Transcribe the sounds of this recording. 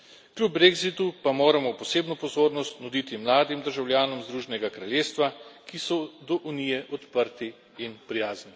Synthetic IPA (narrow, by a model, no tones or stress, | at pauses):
klʲjub̚bɾeɡzit̪upamoːɾamɔpɔseːbnɔpɔzoːɾnɔst̪nud̪iːt̪imlaːd̪imd̪əɾʒawljaːnɔmzd̪ɾuːʒɛnɛɡakɾalʲjeːst̪ʋakisɔd̪ɔʔunijɛʔɔt̪pəɾt̪iː | npɾijaːzni